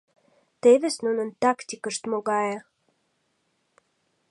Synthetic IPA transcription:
t̪evesnunənt̪akt̪ʲikəʃt̪moɡɑje

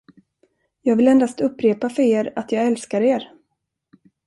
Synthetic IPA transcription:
jɑːɡvɪlɛnd̪ast̪ɵpːɾeːpafœɾeːɾat̪jɑːɡɛlskaɾeːɾ

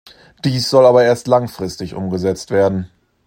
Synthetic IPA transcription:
d̥iːsz̥ɔlaːbɐeːɐstlaŋfʁ̥ɪstɪçʔʊ̰mɡəzɛt͡stv̥eːɐdn̩

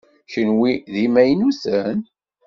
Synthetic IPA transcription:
ʃənwiðimæjnusən

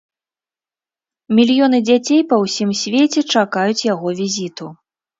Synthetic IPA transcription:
mʲilʲjɔnɨd͡zʲat͡sʲejpɐwsʲimsʲvʲet͡sʲɛt͡ʂakajut͡sʲjaɣɔvʲizʲit̪u

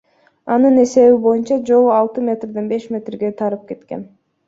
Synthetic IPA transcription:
ɑnɯne̞se̞βibo̞junt͡ʃɑd͡ʒo̞lˠuɑlˠt̪ɯmʲe̞t̪rd̪enbe̞ʃmʲe̞t̪rɡe̞t̪ʰɑɾɯp̚ke̞t̪ke̞̰n

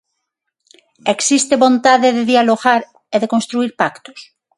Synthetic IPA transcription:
eksist̪eβõnt̪aðeðeðjaloɣaɾ | eðekõnst̪ɾuiɾpakt̪o̥s

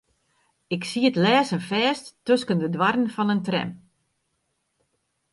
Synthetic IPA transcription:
ɪksiətlɛːsənfɛːstːøskəndədwarənfɔnəntrɛ̰m

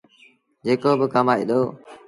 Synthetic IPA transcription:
d͡ʒeːkoːbɪkəmaːḭːɗ̪oː

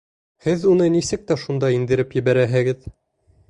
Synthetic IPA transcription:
hɘðunɤnisɘk̚t̪æʃund̪ɑind̪ɘ̆ɾɘpjɘ̆βæɾæɦɘ̆ɡɘð

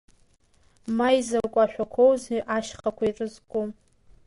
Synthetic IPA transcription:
majzarkʷʼaʃᶣʷakʷʰowzʔaʃχʼakʷʰairʼɨzkʷʼu

